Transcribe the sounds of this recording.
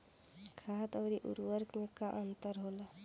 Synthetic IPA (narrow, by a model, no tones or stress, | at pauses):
kʰaːt̪ɔːɾiʔṵɾʋəɾknekaʔənt̪əɾɦoːla